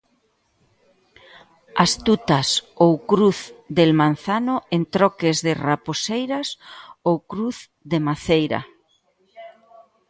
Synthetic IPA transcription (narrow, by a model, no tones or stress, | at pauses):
ast̪ut̪asowkɾuθd̪elmãnθanʊent̪ɾɔkezðɪraposejɾasowkɾuθ | ðemaθejɾɐ̰